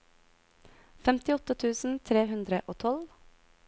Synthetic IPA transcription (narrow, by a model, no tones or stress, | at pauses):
fɛmt̪ɪɔt̪ət̪ʰʉːsn̩t̪ʰɾeːhʉnd̪ɾəʔoːt̪ʰɔl